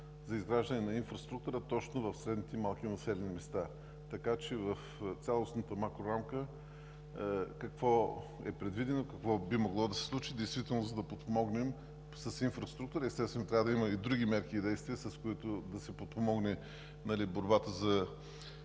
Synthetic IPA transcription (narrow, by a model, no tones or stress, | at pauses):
zɐizɡɾaʒd̪ɐnɛnɐinfɾɐst̪ɾuk̚t̪uɾət̪ɔt͡ʃnovɐfsɾɛd̪nit̪ɛmalˠk̟ʲinɐsɛlɛnimɛst̪a | t̪ɐkat͡ʃɛvɐft̪sʲalˠosnət̪əmakɾoɾamkə | kɐkvɔ | ɛ̰pɾɛd̪vid̪ɛnokɐkvɔbimoɡlˠɔd̪ɐsɛ̥slˠut͡ʃid̪ɛjst̪vit̪ɛlˠnozɐd̪ɐpot̪̚pomɔɡnɛm | sɐsinfɾɐst̪ɾuk̚t̪uɾəɛst̪ɛst̪vɛnot̪ɾʲavəd̪iməid̪ɾuɡʲimɛɾkʲiːd̪ɛjst̪vʲiəsɐskoit̪ʊd̪ɐsɛpot̪̚pomɔɡnɛ | nɐliboɾbat̪əzɐ